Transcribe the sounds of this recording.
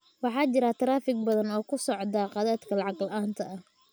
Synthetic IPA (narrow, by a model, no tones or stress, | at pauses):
wɑħɑːt͡ʃɪɾɐt̪ʰɐɾaːfɪɡ̚bɐðɐnɔːkʰʊsɔʕd̪aqɑðaːd̪kʰɐlɑʕɑqlʔaːnt̪ʰɐɐh